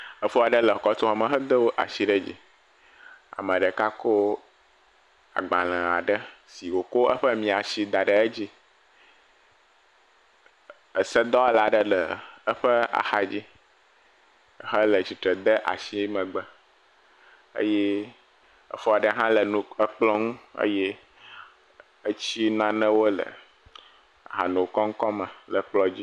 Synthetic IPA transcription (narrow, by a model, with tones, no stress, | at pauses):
ə˨fu˦a˨ɖə˦lə˨ɔ˨kɔ˦t̪o˦ɦa˨mə̃˨ɦə˦d̪ə˦wo˦ʔa̰˨ʃi˦ɖə˦d͡ʑḭ˦ | a̰˨mə̃˨ɖə˨ka˦ko˦ | a̰˨ɡ͡bã˨l̃ə̃˨a̰˨ɖə˦si˨wo˨ko˦ə˦ɸə˦mĩ˨a˨ʃi˨d̪a˨ɖə˨ə˦d͡ʑi˦ | ə˨sə˦d̪ɔ˦la˨ɖə˦lə˨ə˦ɸə˦a̰˨xa˨d͡ʑi˦˨ | ɦə˦lə˨t͡ɕi˨t̪ɾə˨d̪ə˦ʔa̰˨si˦mə̃˨ɡ͡bə˦ | ə̰˦jɛ˦ | ə̰˦fɔ˦a˨ɖə˦ɦã˦lə˨nũ˨ə˦k͡plɔ˦ŋũ˦ə̰˦jɛ˦ | ə˦t͡ɕi˦nã˦nə̃˦wo˦lə̰˨ | ɦa˨nũ˨wkɔ˦ŋ̩˦kɔ˦mə̃˨lə˨k͡plɔ˦d͡ʑi˦